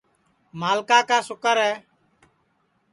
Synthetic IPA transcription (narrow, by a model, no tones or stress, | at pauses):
maːlkaːkaːsʊkəɾɦɛː